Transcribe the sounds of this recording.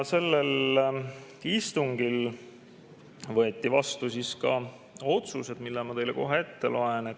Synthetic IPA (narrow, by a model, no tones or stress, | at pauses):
se̞lːel | ist̪uŋɡil | vɤet̪ːivɑst̪usiskɑ | o̞t̪suse̞d̪milːɛmɑt̪e̞jleko̞ɦee̞t̪ːe̞̰lo̞e̞ne